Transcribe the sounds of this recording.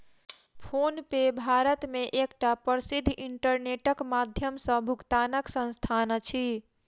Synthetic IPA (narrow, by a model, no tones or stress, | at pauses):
pʰonpebʱaɾət̪meʔekʈapəɾsid̪ʱːʔiɳʈəɾneʈəkmad̪ʱjəmsə̃bʱukt̪anəksə̃nst̪ʰant͡ʃʰi